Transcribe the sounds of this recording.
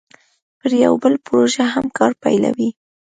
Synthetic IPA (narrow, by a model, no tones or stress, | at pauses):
pəɾja̰wbəlpʊɾoʒaɦamkɑɾpajla̰wi